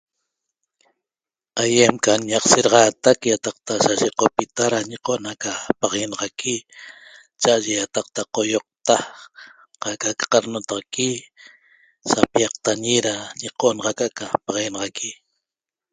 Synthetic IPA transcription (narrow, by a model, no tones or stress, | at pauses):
ajemkaɲɑqseɾɑʁɑːt̪akjat̪ɑq̚t̪asaʃeqopit̪aɾaɲeqoʔnhakapaʁenɑʁɑkʰi | t͡ʃaʔaʒejat̪ɑq̚t̪aqojoq̚t̪a | qakakḁqɑɾnot̪ɑʁɑki | sapiɑq̚t̪aɲiɾaɲeqoʔnɑʁɑkaʔkapɑʁjenɑʁɑkʰi